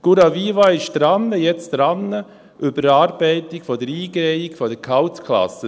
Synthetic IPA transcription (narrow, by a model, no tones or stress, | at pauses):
ɡ̥uɾɑviːvɑɪʃd̪̥ɾɑnːəjɛt͡sd̥ɾɑnːə | ʔʏbəɾɑːɾbɛɪtɪkfɔdəɾiːɡɾɛɪɪkfɔdəkʰɑwt͡skʰlɑ̰sə